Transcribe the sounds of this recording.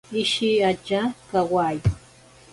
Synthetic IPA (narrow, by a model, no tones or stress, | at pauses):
ɪʃiat͡ʃakawaːj